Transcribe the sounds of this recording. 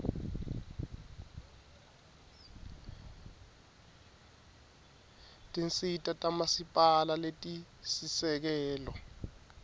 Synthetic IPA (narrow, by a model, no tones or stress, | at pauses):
tʼint͡sʼitʼatʼamasipʼalaletʼi | sisɛk̬ɛːlɔ